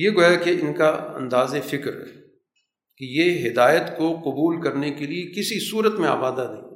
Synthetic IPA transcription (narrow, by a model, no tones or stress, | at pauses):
jeɡojakeɪnkaɐ̰̃nd̪aːzefɪkɾ̰ | kejeɦɪd̪aːjət̪koqʊbuːlkɐɾnekeliekɪsisuːɾət̪mẽa̰ːbaːd̪ad̪eĩ